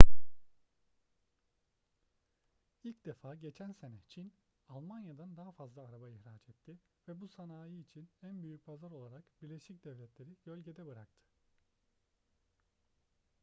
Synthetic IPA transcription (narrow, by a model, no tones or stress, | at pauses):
ilʲcd̪efaːɟe̞t͡ʃʰænsenɛt͡ʃʰin | alˠmanjad̪and̪aɦafazlˠaːɾabaiçɾaːt͡ʃɛt̪ʰːɪ | vɛbusanaːjiːt͡ʃʰinænbyjyc̚pʰazaɾo̞lˠaɾakbiɾlʲeʃic̚d̪̥ɛvlʲɛt̪lʲe̞ɾiɟ̥ø̞lʲɟe̞d̪ɛbɯɾak̚t̪ʰɯ̥